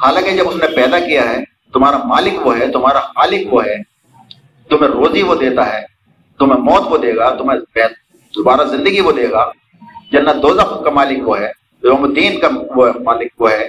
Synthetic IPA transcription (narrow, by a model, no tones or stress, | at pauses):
haːlãːkid͡ʒɐbʊsnepɛːd̪akijaɦɛː | t̪ʊm̤aːɾamaːlɪkʋoɦɛt̪ʊm̤aːɾamaːlɪkʋoɦɛː | t̪ʊmẽɾoːziʋod̪eːt̪aɦɛː | t̪ʊmẽmɔːt̪ʋod̪eːɡat̪ʊmẽpɛ | d̪ʊbaːɾazɪ̃nd̪əɡiʋod̪eːɡaː | d͡ʒɐnːad̪oːzaxʊd̪̚kamaːlɪkʋoɦɛː | omʊt̪iːnkaʋoɦmaːlɪk̚ʋoɦɛː